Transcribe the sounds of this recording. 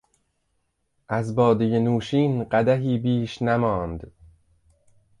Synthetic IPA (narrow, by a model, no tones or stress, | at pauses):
ʔæzbɒːd̪ejenuːʃiːnɢæd̪æɦiːbiːʃnæmɒːnd̪